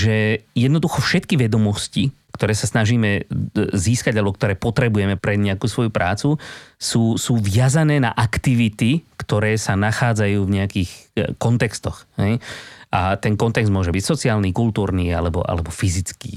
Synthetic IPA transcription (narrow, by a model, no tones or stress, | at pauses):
ʒɛjɛd̪nɔd̪uxɔfʃɛt̪kiʋɛd̪ɔmɔscikt̪ɔɾɛːsasnaʒiːmɛziːskaɟalɛbɔk̚t̪ɔɾɛːpɔt̪ɾɛbujɛmɛpɾɛɲɛakuːsʋɔjupɾʔaːt͡susuːsuːʋɪazanɛːna̰ʔakt̪iʋit̪ikt̪ɔɾɛːsanaxaːd͡zajuːvɲɛakiːxkɔnt̪ɛkst̪ɔxɦɛ̰jʔat̪ɛnkɔnt̪ɛɡzd̪mʊɔʒɛbicsɔt͡siaːlnikult̪uːɾniːa̰lɛbɔ̰ʔa̰lɛbɔfizit͡skḭː